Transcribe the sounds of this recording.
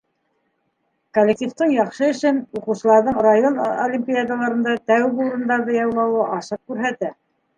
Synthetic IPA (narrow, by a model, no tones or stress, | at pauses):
kolʲːek̚t̪ʲift̪ɤɴjɑχʃɤɵ̆ʃɘnuqɤ̆wsɤ̆lˠɑɾðɤɴrajonolʲimʲpʲijad̪alˠɑɾɤ̆nd̪ɑt̪æwɡuɾɤ̆nd̪ɑɾðɤjɑwlˠɑwɤʔɑʃɤq̚kʉɾɦæt̪æ